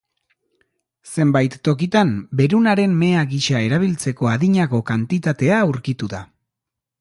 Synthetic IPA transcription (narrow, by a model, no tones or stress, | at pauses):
se̞mbajt̪ːo̞kit̪ambe̞ɾunaɾe̞mme̞aɣiʃae̞ɾaβ̞ilt͡se̞ko̞aðiɲako̞kant̪it̪at̪e̞auɾkit̪uða